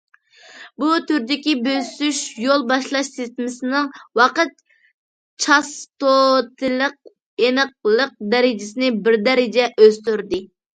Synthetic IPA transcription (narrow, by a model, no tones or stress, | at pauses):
but̪ʰyɾd̪ɪkʲibøsyʃjolˠbɑʃlˠɑʃsɪst̪ɪmɪsɪnɪŋwɑqət̪̚ | t͡ʃʰɑst̪ot̪ʰɪləq̚ | enəq̚lˠəq̚d̪ɛɾɪd͡ʒɪsɪnɪbɪɾd̪ɛɾɪd͡ʒɛʔøz̥t̪yɾd̪ɪ